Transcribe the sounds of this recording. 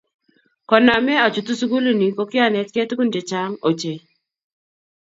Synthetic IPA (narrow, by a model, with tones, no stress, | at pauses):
kɔ˨na˨mɛ˦a˨t͡ʃu˨tu˦su˦ɡu˦lu˨ni˨ko˦kɪ˦a˦˨nɛ˨˦tke˦tku˦nd͡ʒe˨t͡ʃa˦ŋo˨t͡ʃe˨